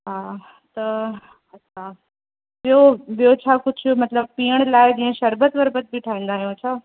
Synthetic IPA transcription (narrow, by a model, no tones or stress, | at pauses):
ɦaː | t̪ɐ | ɐtːʃʰaː | ʋɪjoʋijot͡ʃʰaːkʊt͡ʃʰmɐt̪ləb̚piːəɽ̃laːed͡ʑĩẽʃɐɾbət̪ʋəɾbət̪̚bʱiʈʰaːĩːnd̪aːɦeũɐt͡ʃʰaː